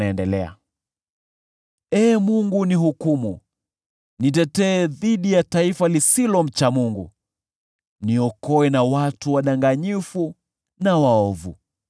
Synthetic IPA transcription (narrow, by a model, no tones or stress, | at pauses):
aɛndɛlɛa̰ | ɛːmuŋɡunihukumu | nitɛtɛːðiɗijataifalisilɔm̩t͡ʃamuŋɡṵ | niɔkɔɛnawatuwaɗaŋɡaɲifu | nawaɔvṵ